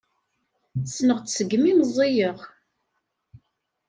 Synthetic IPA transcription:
snəʁt͡ssəɡːmiməzˤːijəʁ

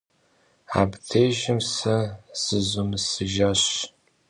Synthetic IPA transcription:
a̰btʰejʒɪmsɐz̥ɨzʊmɨsɨʒaɕ

